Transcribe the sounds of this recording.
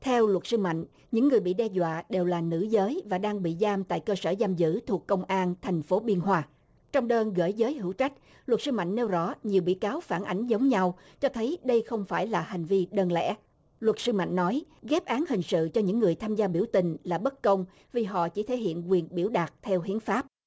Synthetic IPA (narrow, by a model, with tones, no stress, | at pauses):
t̪ʰɛ˧wlwə˨˩t̚sɨ˧ma̰˧˨jŋ̟ | ɲɨ̰˧˥ŋːɨ˨˩əjɓḭ˧˨ɗɛ˧zwa̰ː˧˨ɗe˨˩wlaː˨˩nɨ̰˧˥zəː˨˦jvaː˨˩ɗaː˧ŋɓḭ˧˨zaː˧mt̪a̰ː˧˨jkəː˧səː˧˩zaː˧mzɨ̰˧˥t̪ʰu˨˩əkːə˧wŋ͡mʔaː˧nt̪ʰa˨˩jŋ̟fo˨˦ɓi˧ənɦwaː˧ | t͡ɕɔ˧wŋ͡mɗəː˧nɣə̰ː˧˩jzəː˨˦jɦɨ̰˧˥wt͡ɕa˦˥jk̟̚ | lwə˨˩t̚sɨ˧ma̰˧˨jŋ̟ne˧wzɔ˧˥ɲi˨˩əwɓḭ˧˥˨kaː˨˦wfaː˧˩nʔa˨˦jŋ̟zə˨˦wŋ͡mɲa˧w | t͡ɕɔ˧t̪ʰə˨˦jɗə˧jxə˧wŋ͡mfaː˧˩jlaː˨˩hi˨˩ŋ̟vi˧ɗəː˧nlɛ̰˧˥ | lwə˨˩t̚sɨ˧ma̰˧˨jŋ̟nɔ˨˦jɣɛ˦˥p̚ʔaː˨˦nhï˨˩ŋ̟sɨ̰˧˨t͡ɕɔ˧ɲɨ̰˧˥ŋːɨ˨˩əjt̪ʰaː˧mzaː˧ɓi˧˩əwt̪ï˨˩ŋ̟laː˨˩ɓə˦˥t̚kə˧wŋ͡m | vi˨˩ɦɔ̰˧˨t͡ɕi˧˩t̪ʰe˧˦jhḭ˧˨ənkwi˨˩ənɓi˧˩əwɗaː˨˩t̚t̪ʰɛ˧whḭ˨˦ənfaː˦˥p̚